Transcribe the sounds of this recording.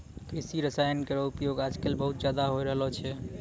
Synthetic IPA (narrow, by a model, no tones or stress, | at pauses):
kɾisiɾəsajənkəɾɔupjoɡad͡ʒkelbəɦut̪̚d͡ʒjad̪aɦojɾəɦlɔt͡ʃʰɛ